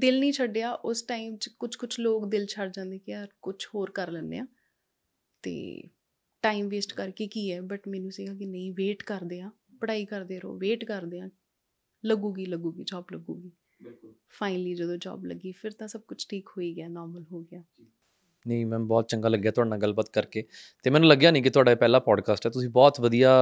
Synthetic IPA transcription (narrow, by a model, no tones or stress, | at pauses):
d̪ɪlnĩːt͡ʃʰəɖːeːaːʔʊsʈaːimt͡ʃkʊt͡ʃʰkʊt͡ʃʰloːkd̪ɪlt͡ʃʰəɖd͡ʒãːnd̪eːkɪaːɾkʊt͡ʃʰhoːɾkəɾlɛːnːḛã̰ː | t̪ḛː | ʈaːimʋeːsʈkəɾkeːkiːɛːbəʈmɛːnũːsiːɡaːkɪnəĩːʋeːʈkəɾd̪eːãː | pəɽaːiːkəɾd̪eːɾo̰ːʋeːʈkəɾd̪eːãː | ləɡũːɡiːləɡuːɡḭːd͡ʒɔːbləɡuːɡiː | pʰaːɪnəliːd͡ʒəd̪õːd͡ʒɔ̰ːblə̰ɡːiːpʰɪɾt̪ãːsəb̚kʊt͡ʃʰʈʰiːkhoːiːɡɪjaːnɔːɾməlɦoːɡɪjaː | nəĩmɛ̃ːbɔːt̪̚t͡ʃə̃ŋɡaːləɡːejaːt̪ʊaːɽnãːɡəlbaːt̪kəɾkeː | t̪eːmɛ̃ːnũːləɡjaːnĩːk̬ɪt̪ʊaːɖaːepɛːlaːpɔːɖkaːsʈɛːt̪ʊsĩːbɔːt̪ʋəd̪ijaː